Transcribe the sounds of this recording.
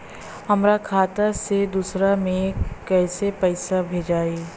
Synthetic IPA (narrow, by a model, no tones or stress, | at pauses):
ɦɐmɾakʰaːt̪ased̪uːsɾamẽkːɛːsepɛɪsabʱeːd͡ʒaːiː